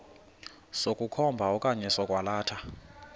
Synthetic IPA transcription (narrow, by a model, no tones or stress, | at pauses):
sokʼukʰɔmbʱaɔkʼaɲɛsɔkʼwalaːtʰa